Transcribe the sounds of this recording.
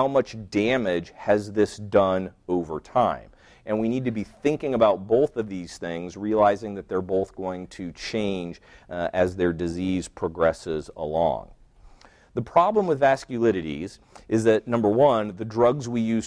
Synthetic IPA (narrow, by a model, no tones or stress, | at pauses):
aʊmʌt͡ʃd̥æ̃mɪd̥ʒ̥ɨzðɪsd̥ʌ̃noʊvə˞tʰãɪ̃m | ʔɨ̃nwinid̚tʰɨbiθɪ̃ŋkɪ̃ŋəbaʊt̚b̥oʊθʌvðiz̥θɪ̃ŋzɹiəlaɪzɪ̃ŋðɨt̪̚ðə˞boʊθɡ̥oʊɪ̃ŋtʰɨt͡ʃʰẽɪ̃nd͡ʒɨzðə˞dɨziz̥pʰɹ̥ɑɡɹɛsɪzə̰lɔ̰̃ŋ | ðəpʰɹ̥ɑblə̃mwɨðvæskjɨlɪɾɨɾḭz | ʔɨzðɨtⁿnʌ̃mbə˞wʌ̃nðɨdɹʌɡzwijʉz̥